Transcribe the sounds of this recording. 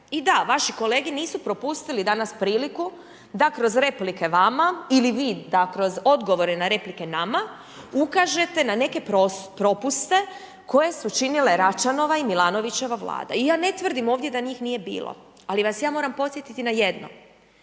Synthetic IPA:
id̪aʋaʃiko̞le̞ːɡiniːsupɾo̞pust̪ilid̪anaspɾiːliku | d̪akɾo̞zɾe̞plike̞ʋamailiʋiːd̪akɾo̞zo̞d̪ɡo̞ʋo̞ɾenaɾe̞plike̞nama | ukaʒe̞t̪e̞nane̞ke̞pɾopɾo̞pust̪e̞ | ko̞je̞sut͡ʃinile̞ɾat͡ʃano̞ʋaimilˠaːno̞ʋit͡ʃe̞ʋaʋlˠa̰ːd̪a̰ijaːne̞t̪ʋr̩d̪imo̞ːʋvd̪jed̪aɲiːxnije̞bḭːlˠo̰ | aliʋasjaːmo̞ːɾampo̞t̪sje̞t̪it̪inajed̪no̞̰m

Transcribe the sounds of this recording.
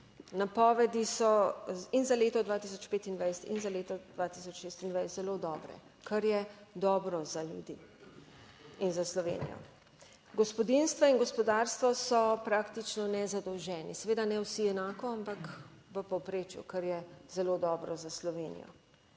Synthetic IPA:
napɔːʋɛd̪isɔinzaleːt̪ɔd̪ʋaːt̪is̬ɔt͡ʃpeːt̪ind̪ʋajsɛ̥t̪inzaleːt̪ɔd̪̥ʋat̪isɔt͡ʃʃeːst̪ind̪ʋajzɛlod̪ɔːbɾɛ̰ | kaɾjɛd̪ɔːbɾɔzaljṵd̪ḭː | inzaslɔʋḛːnḭjɔ̰ | ɡɔspɔd̪inst̪ʋainɡɔspɔd̪aːɾst̪ʋɔsɔpɾaːkt̪it͡ʃnɔnɛzad̪ɔwʒɛːnḭsɛʋeːd̪anɛwsiɛnaːkɔampak | ʋəpɔwpɾeːt͡ʃjṵkaɾjɛzɛloːd̪ɔːbɾɔzaslɔʋeːnḭjɔ̰

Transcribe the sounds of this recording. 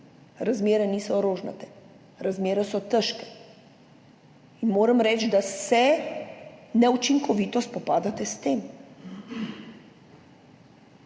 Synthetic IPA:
ɾazmeːɾɛniːsɔɾoːʒna̰t̪ɛ̥ | ɾazmeːɾɛsɔt̪əʃkɛ̥ | inmoːɾamɾɛːt͡ʃd̪asɛ | nɛut͡ʃiŋkɔʋiːt̪ɔspɔpaːd̪at̪ɛst̪eːm

